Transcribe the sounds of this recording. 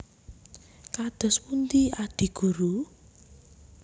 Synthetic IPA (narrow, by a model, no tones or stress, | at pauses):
kad̪̥ɔ̤spunt̪iad̪̥i̤ɡ̥uɾu